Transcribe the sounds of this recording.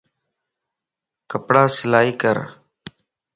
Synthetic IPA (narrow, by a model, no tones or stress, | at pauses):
kəpɽaːsɪlaːiːkəɾ